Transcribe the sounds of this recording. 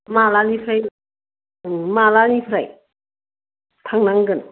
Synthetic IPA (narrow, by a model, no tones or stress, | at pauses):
malanipʰɾaj | ɯmalanipʰɾa̰j | tʰaŋnaŋɡɯn